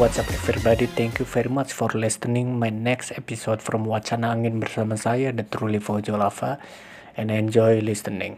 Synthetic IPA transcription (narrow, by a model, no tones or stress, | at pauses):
wat̪sapafirbadit̪ʰɛŋkjufɛɾimat͡ʃfɔrlɛst̪ənɪŋmajnɛksepisodfɾɔmwat͡ʃanaːŋɪnbərsamasajadət̪ɾulifɔd͡ʒɔlafa | ɛ̃naɛnd͡ʒɔjlist̪ənɪ̰̃ŋ